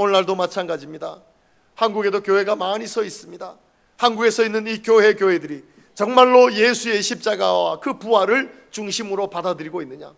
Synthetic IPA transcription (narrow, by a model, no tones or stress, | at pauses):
ʌnːaɭdomat͡ɕʰanɡad͡ʑimɲida | hanɡuɡe̞dokjoɦe̞ɡamaɲisʰʌis͈ɯmɲida | hanɡuɡe̞sʰʌinːɯnikjoɦe̞kjoɦe̞dɯɾi | t͡ɕʌŋmaɭːoje̞sʰue̞ɕʰip̚t͡ɕ͈aɡawa̰kɯpuɦaɾɯɭ | t͡ɕuŋɕʰimɯɾopadadɯɾiɡoinːɯɲa̰